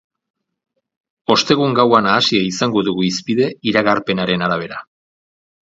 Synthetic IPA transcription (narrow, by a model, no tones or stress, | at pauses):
o̞st̪e̞ɣ̞uŋɡawanaːsiaisaŋɡo̞ðuɣuispiðe̞iɾaɣaɾpe̞naɾe̞naɾaβ̞e̞ɾa